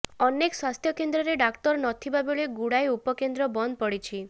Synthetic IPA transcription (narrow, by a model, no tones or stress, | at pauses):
ɔnekswast̪ʰjɔkend̪ɾɔɾeɖakʈɔɾnɔt̪ʰibabeɭeɡuɽajupɔkend̪ɾɔbɔnd̪ʱpɔɽit͡ʃʰi